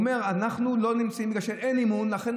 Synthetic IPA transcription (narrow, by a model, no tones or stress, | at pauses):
me̞ʁanaχnulo̞nimt͡saimbiɡaʃelenimunlaχen